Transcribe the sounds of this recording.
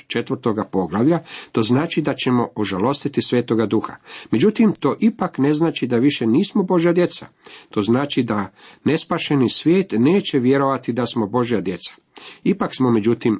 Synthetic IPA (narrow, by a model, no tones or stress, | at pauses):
t͡ʃe̞t̪ʋəɾt̪o̞ɡapo̞ɡlaʋʎat̪o̞znaːt͡ʃid̪at͡ɕe̞mo̞ʔoʒalo̞st̪it̪isʋeːt̪o̞ɡad̪uxa̰me̞d͡ʑut̪imt̪o̞ːʔipakne̞znaːt͡ʃid̪aʋiʃe̞niːsmobo̞ʒjad̪je̞t̪sa̰ | t̪o̞ːznaːt͡ʃid̪ane̞spaːʃe̞nisʋjeːt̪ne̞ːt͡ɕe̞ʋje̞ɾo̞ʋat̪id̪asmo̞bo̞ʒjad̪je̞t̪sḁ | ipaksmo̞med͡ʑut̪im